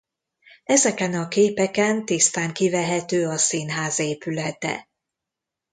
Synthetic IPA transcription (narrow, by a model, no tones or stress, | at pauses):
ɛzɛkɛnɒkeːpɛkɛnt̪ist̪aːŋkivɛɦɛt̪øːɒsinɦaːzeːpylɛt̪ɛ̰